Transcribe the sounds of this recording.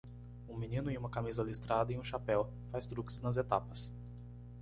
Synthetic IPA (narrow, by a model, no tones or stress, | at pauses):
ũmĩnĩnʊɪũmɐkamizɐlist̪ɾad̪ɐẽũʃapɛw | fast̪ɾuksnɐzet̪apɐs